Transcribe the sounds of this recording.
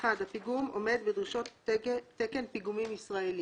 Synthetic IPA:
adhapiɡumo̞me̞d̪bed̪ʁiʃo̞t̪ːekenpiɡumimisʁaeli

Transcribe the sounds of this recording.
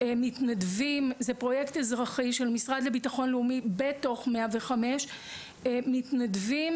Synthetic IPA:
mitnadvimzepʁo̞jektezʁaχiʃelmisʁad̪lebitaχo̞nleumibeto̞χmeaveχameʃ | mitnadvim

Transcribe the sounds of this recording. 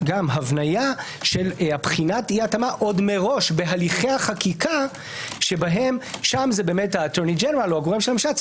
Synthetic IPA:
ɡamɦavnaja | ʃe̞lapχinatiatamaʔo̞dme̞ʁo̞ʃbeɦaliχeaχakika | ʃe̞baɦe̞mʃamzebeːmethaːteʁnid͡ʒeneʁaloaɡoʁemʃelamʃat͡s

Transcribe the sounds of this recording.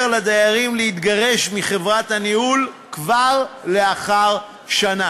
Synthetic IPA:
lad̪ajaʁimlehit̪ɡaʁe̞ʃmiχe̞vʁat̪hanihul | kvaʁle̞aχaʁ | ʃana

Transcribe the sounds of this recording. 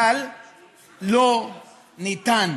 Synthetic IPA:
al | lo | nitan

